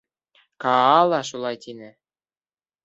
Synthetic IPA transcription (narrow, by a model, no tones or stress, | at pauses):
kɑɑlˠɑʃulˠɑjt̪ʲinɘ̆